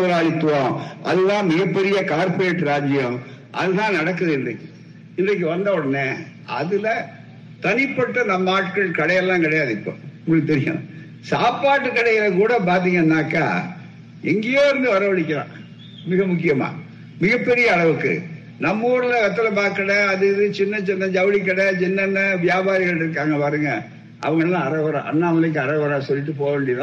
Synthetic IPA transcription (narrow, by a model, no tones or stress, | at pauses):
ɾaːɭɪt̪ːõʔɐðɯðãːmɪɣɐpːɛɾɪjɐkaːɾpeːʈːɯɾaːd͡ʒɪjɐm | ʔɐ̰ðɯðãːnɐɽɐkːɐðɯɪnd̪ɐ̰kː | ɪndrɐk̬ːɯʋɐnd̪ɐːɔɽɐnːe | ɐ̰ðɪlɐ | t̪ɐnɪpːɐʈːɐnɐmːɐaːʈkɐɭkɐɽɐjɐlːãːkɪɽɐjaːðɪpːõ̰mt̪ɛɾɪjɐ̰m | saːpaːʈːɯkːɐɽɐjɪlɐkuːɽɐp̬aːɾt̪̬iːŋɡɐɪnːaːkːa̰ː | ɛŋɡɐjoːɪɾɯnd̪ɯʋɐɾɐʋɐɭɪkʲːɐɾã̰ː | mɪɣɐmʊkːɪjɐma̰ː | mɪɣɐpːɛɾɪjɐːɭɐʋɯkːɯ̰ | nɐmːuːɾɪlɐʋɛt̪ːɐlɐpaːɾkɐɽɐɐðɯðɯt͡ʃɪnːɐt͡ʃɪnːɐd͡ʒɐʋɐlik̬ːɐɽɐt͡ʃɪnːɐnːɐʋɪjaːbaːɾɪɣɐɭɪɾɯkːaːŋɡɐpaːɾɯŋɡɐ | ʔɐ̰ʋɐŋɡɐɭlːãːɐɾɐʋɐɾã̰ʔɐ̰nːaːɐɐlɯkːɯɐɾɐʋɐɾaːsɔlːɪʈːɯpoːɣɐʋeːɳɖɪɐðã